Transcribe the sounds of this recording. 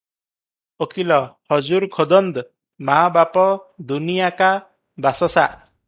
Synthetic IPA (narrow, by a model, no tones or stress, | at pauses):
ɔkilɔhɔd͡ʒuɾkʰɔd̪ɔnd̪ | mabapɔd̪unijaka | basɔsaʔ